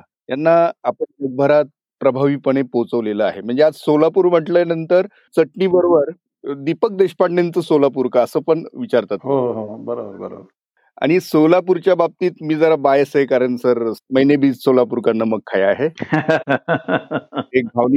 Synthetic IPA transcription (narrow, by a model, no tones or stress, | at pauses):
janːaapəɳməɡ̚bʱəɾat̪̚ | pɾəbʱaʋiːpəɳ̃epot͡səʋleləa̰ɦem̤əɳd͡zead͡zsolapuːɾm̤əʈləjanənt̪əɾ | t͡səʈniːbəɾobəɾ | d̪ipək̚d̪eɕpaʈnent͡səsolap̬uɾkaːsəːpəɳʋit͡ɕaɾt̪at̪ɦoɦobəɾabəɾbə̰ɾa̰bəɾ | a̰ɽ̃isolap̬uɾt͡ɕjabab̚t̪iːt̪miːd͡zəɾabajəsaɦekaɾəɳsəɾməɦjnebʱiːt͡ssolapuɾkanːəməɡ̚kʰːajaɦe | eɡʱaʋli